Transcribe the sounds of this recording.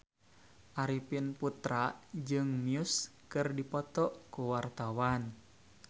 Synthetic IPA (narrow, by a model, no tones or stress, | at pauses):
ʔaɾipinput̪ɾaʔd͡ʒɨŋmiuskɨrdipɔt̪ɔʔkuwart̪awan